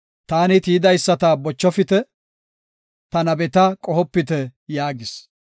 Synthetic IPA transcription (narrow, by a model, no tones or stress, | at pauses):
t̪aːnɪt̪iːd̪ɐjsːɐt̪abɔt͡ʃːɔfɪt̪ɛ | t̪ɐnɐbɛt̪ɐkʼɔhɔpːɪt̪̬ɛjaːɡɪs